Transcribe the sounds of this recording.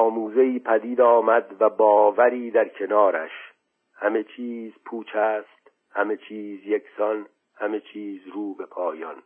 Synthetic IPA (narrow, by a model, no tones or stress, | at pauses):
ɒːmuːze̞iːpʰæd̪iːd̪ɒːmæd̪væbɒːvæɾiːd̪æɾkʰe̞nɒːɾæ̰ʃ | hæme̞t͡ʃʰiːzpʰuːt͡ʃʰæːst̪ | hæme̞t͡ʃʰiːzjekʰsɒn | hæme̞t͡ʃʰiːzɾuːbe̞pʰɒːjɒ̰n